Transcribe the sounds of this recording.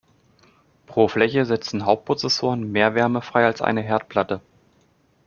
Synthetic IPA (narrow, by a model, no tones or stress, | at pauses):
pʁ̥oːflɛçəzɛt͡sn̩ɦaʊp̚t̚pʁ̥ot͡sɛsoːʁənmeːɐvɛɐməfʁ̥aɪalsʔa̰ɪnəɦɛɐt̚pʰl̥atə